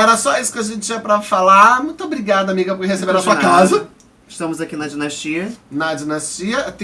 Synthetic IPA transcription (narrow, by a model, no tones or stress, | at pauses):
ɛɾɐsɔisʊ̥kɪaʒẽnt͡ʃɪt͡ʃĩɐpɾɐfalamũj̃t̪ɐbɾiɡad̪ɐamiɡɐpʊɾkehesebeɾ̃ɐsuɐkazɐ | ɪʃt̪ɐ̃mʊzakinɐd͡ʒinaʃt͡ʃiɐnɐd͡ʒinast͡ʃiɐt̪